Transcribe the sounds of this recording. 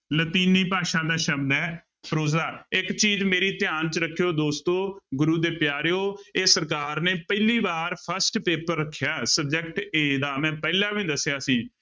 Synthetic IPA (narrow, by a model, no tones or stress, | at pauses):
lət̪iːniːpaːʃãːd̪aːʃəbd̪ɛː | pɾoːzaːɪkt͡ʃiːzmeːɾiːt̪ɪjaːnt͡ʃɾəkʰːjoːd̪oːst̪õːɡʊɾuːd̪eːpjaːɾejoːesəɾk̬aːɾneːpəɪliːbaːɾpʰəɾsʈpeːpəɾːəkʰːjaːsəb̚d͡ʒɛkʈeːd̪aːmɛ̃ːpɛːlãːʋĩːd̪əsɪjaːsiː